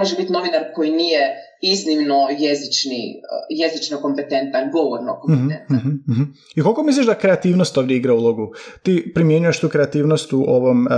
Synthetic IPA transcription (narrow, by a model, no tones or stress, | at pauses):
oʒebit̪no̞ʋinaɾko̞jinije | iznimnojezit͡ʃnḭjezit͡ʃnoko̞mpet̪e̞nt̪anɡoʋoɾnokompht̪ent̪aɦ̩ | ikokomislʲiʒd̪akɾe̞at̪iːʋnost̪oːʋd̪jeiɡɾaulˠoɡut̪iːpɾimje̞ɲujeʃt̪uːkɾeat̪iːʋnost̪uʔoʋo̞m